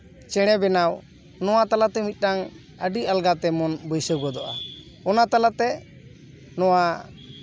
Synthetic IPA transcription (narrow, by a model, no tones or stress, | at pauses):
t͡ʃɛɽ̃ɛbɛnaw | nɔwat̪alaʔt̪ɛmit̪̚ˀʈaŋ | əɖialɡat̪ɛmɔnbəjsəɡɔd̪ɔʔa | ɔnat̪alaʔt̪ɛ | nɔwa